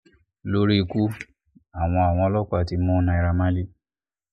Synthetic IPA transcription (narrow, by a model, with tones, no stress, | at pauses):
lo˦ɾi˦˧ku˦ | a˨w̃ɔ̃˧a˨w̃ɔ̃˧˦lɔ˦ka˦˨ti˧˦mũ˦nã˧i˧ɾa˧mã˦li˦